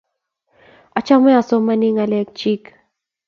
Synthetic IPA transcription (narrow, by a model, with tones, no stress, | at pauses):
a˨t͡ʃa˦mɛ˦a˨sɔ˦ma˦ni˦ŋa˨lɛ˦k̚t͡ʃi˦k